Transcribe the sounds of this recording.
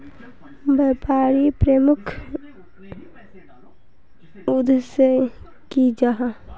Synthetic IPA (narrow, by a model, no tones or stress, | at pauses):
baːpaːɾipɾemʊkʰ | ud̪sə | kid͡ʒaɦa